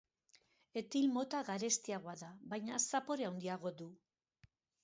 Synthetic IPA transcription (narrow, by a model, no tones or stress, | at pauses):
e̞t̪ilmo̞t̪aɣaɾe̞st̪iaɣo̞aðaβajɲasapo̞ɾeawnd̪iaɣ̞o̞ðu